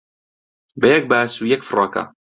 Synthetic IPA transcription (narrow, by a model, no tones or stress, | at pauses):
bɐjɐk̚baːsuːjɛkfrˤɑːka̰